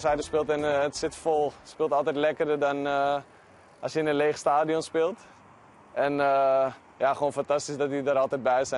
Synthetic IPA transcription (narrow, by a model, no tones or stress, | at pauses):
sɛjdəspɪːlˠtɪnəətsɪtfolˠspɪːlˠtɑlˠtɛjtlɛkərdədɑn | ɑsjəɪnənleːχstaːdionspɪːlˠt | ɛnə | jaχəʋoːnfantastisdɔtidəɾɑlˠtɛt̚bɛjsɛ